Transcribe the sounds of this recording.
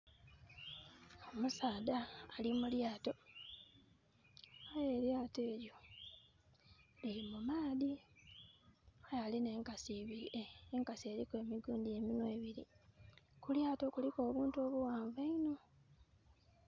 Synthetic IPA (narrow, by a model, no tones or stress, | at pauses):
omusaːdaːlimuljaːto̞ | aje̞ːɾjaːte̞ːɾjo̞ | liimumaːði | ajaline̞ːŋkasi | eŋkasie̞ːɾikweːmiɡuːndieminwe̞ːβiɾḭ | kuljaːto̞kuliko̞ːβuːntuo̞ːβuwaːɱvaino̞